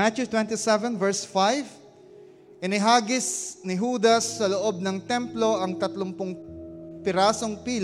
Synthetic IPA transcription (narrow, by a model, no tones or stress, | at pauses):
at͡ʃut̪wɛnt̪isɛvɛ̃nvɛɹsfajv | ʔɪnɪɦaːɡɪsnɪɦuːd̪ɐsːɐloʔo̞b̚nɐŋt̪ɛmplo̞ʔɐŋt̪ɐt̪loŋpʊŋpɪɾaːso̞ŋpiːl